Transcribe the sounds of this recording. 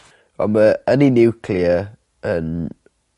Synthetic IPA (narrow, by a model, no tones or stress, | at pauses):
ɔ̰məəninɪwkʰliə | ən